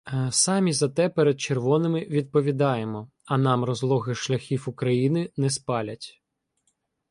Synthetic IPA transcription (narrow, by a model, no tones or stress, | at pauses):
sɑmʲizɐt̪ɛpɛɾed̪̚t͡ʃerʋɔnɪmɪʋʲid̪̚pɔʋʲid̪ɑjemɔ | ɐnɑmrɔzlˠɔɣɪʃlʲɐxʲiwukɾɐjinɪnɛspɑlʲɐtʲ